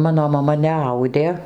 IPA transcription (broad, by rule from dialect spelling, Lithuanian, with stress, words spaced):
ˈmɑːnoː mɐˈmɐ nʲɛˈɐʊdʲeː